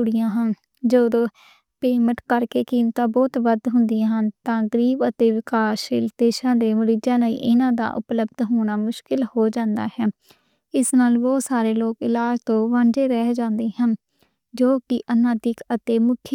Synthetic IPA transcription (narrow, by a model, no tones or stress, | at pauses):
uɽɪjãːɦən | d͡ʒoːd̪oː | peːməʈkəɾkeːkiːmt̪ãːbɔːt̪ʋəd̪ɦʊnd̪ɪjãːɦənt̪ãːɡəɾiːbət̪eːʋɪkaːʃɪld̪eːʃãːd̪eːməɾiːd͡ʒãːləḭːʔɪnãːd̪a̰ːʔʊ̰pləbd̪ɦoːɳaːmʊʃkɪlhoːd͡ʒãːnd̪a̰ːhɛː | ɪsnaːlʋoːsaːɾeːloːkɪlaːd͡ʒt̪õːʋãɳd͡ʒeːɾɛːd͡ʒãːnd̪eːɦən | d͡ʒoːkɪʔənãːd̪ɪkət̪eːmʊkʰ